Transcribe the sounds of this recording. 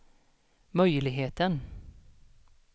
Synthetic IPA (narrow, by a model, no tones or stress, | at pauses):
mœʏlɪɦeːt̪ən